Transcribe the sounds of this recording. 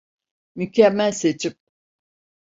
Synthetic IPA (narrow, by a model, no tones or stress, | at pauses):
mycʰæmːælʲse̞t͡ʃʰip̚